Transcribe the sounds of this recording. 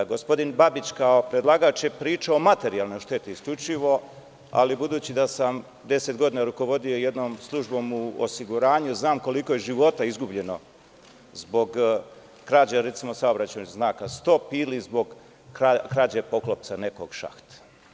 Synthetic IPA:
ɡospo̞d̪inbabit͡ɕkao̞pɾed̪lˠaɡat͡ʃjepɾiːt͡ʃaomat̪e̞ɾijalˠno̞jʃt̪e̞t̪iisklʎut͡ʃiʋo̞ | a̰libud̪uːt͡ɕid̪asam | d̪e̞set̪ɡo̞d̪iːnaɾuko̞ʋo̞d̪ioje̞d̪no̞ːmslˠuʒbo̞ːmuo̰siɡuɾaːɲuznaːmko̞liko̞jeʒiʋo̞t̪aizɡubʎe̞no̞ | zbo̞ɡ | kɾaːd͡ʑaɾe̞t̪simo̞saobɾat͡ɕenoznaːkast̪o̞ːpiːlizbo̞ɡ | akɾaːd͡ʑepo̞klˠop̪̚sane̞ko̞ɡ̥ʃa̰xt̪ḁ

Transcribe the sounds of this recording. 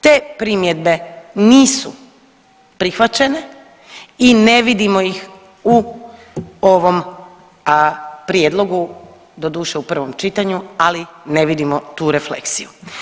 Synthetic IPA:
t̪e̞ːpɾimje̞d̪be̞niːsu | pɾixʋat͡ɕe̞ne̞ | ine̞ʋid̪imo̞jix | u | oʋo̞m | pɾjed̪lˠo̞ɡu | d̪o̞d̪uːʃeupr̩ʋo̞mt͡ʃit̪aɲualineʋid̪imot̪uːɾe̞flḛksiju

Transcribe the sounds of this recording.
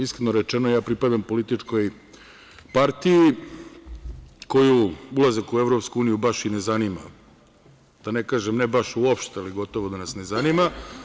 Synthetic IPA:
iskɾenoɾet͡ʃenojaːpɾipad̪ampo̞lit̪it͡ʂko̞j | paɾt̪iji | ko̞juulˠazekueʋɾopskuuːnijubaʃinezanima̰ | d̪̥ane̞kaːʒemnebaʃuopʃt̪ealiɡo̞t̪o̞ʋod̪anasne̞zanima

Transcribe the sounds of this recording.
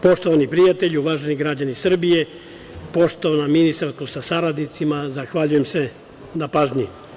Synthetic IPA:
po̞ʃt̪o̞ʋanipɾijat̪eʎuʋaːʒeniɡɾad͡ʑanisr̩bije̞ | po̞ʃt̪oʋanaminist̪aɾskusasaɾad̪nit̪simazaxʋaʎujemse | napaːʒɲi

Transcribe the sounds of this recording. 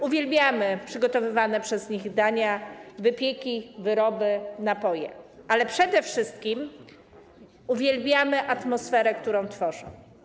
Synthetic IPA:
uvʲjelbʲjamɘpʂɘɡɔt̪ɔvɘvanɛpʂɛzɲiɣd̪aɲavɘpʲjekʲivɘɾɔbɘnapɔjɛ̰ʔalɛpʂɛd̪ɛfʂɘst̪kʲim | uvʲjelbʲjamɘʔat̪mɔsfɛɾɛkt̪uɾɔ̃w̃t̪fɔʐɔ̰̃w̃

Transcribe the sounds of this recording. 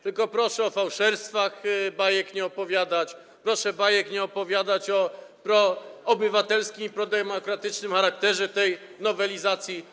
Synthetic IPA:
t̪ɘlkɔpɾɔʂɛɔfawʂɛɾst̪faxbajɛkɲɛɔpɔvʲjad̪at͡ɕ | pɾɔʂɛbajɛkɲɛɔpɔvʲjad̪at͡ɕɔpɾɔːbɘvat̪ɛlskʲimipɾɔd̪ɛmɔkɾat̪ɘt͡ʂnɘmxaɾak̚t̪ɛʐɛt̪ɛj | nɔvɛlʲizat̪sʲji

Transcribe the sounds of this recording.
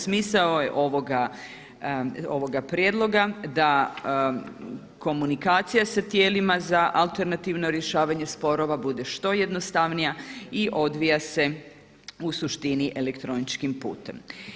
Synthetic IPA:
smiːsaojḛʔo̞ʋoɡa | o̞ʋo̞ɡapɾje̞d̪lˠo̞ɡad̪a | ko̞munikaːt̪sijasat̪jeːlimazaʔalˠt̪e̞ɾnat̪iʋno̞ɾje̞ʃaːʋaɲe̞spo̞ɾo̞ʋabud̪e̞ʃt̪o̞je̞d̪no̞st̪aʋnijaiʔo̞d̪ʋijase̞ | usuʃt̪iniʔelekt̪ɾo̞nit͡ʃkimpṵːt̪ḛm

